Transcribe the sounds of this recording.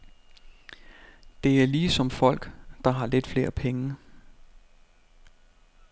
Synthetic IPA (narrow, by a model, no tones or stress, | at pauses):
d̥e̝æɐliːsɒ̽mfɒ̽l̰ɡ̥d̥ɑ̈ɦɑ̈le̝d̥fle̝ːɐpʰeŋə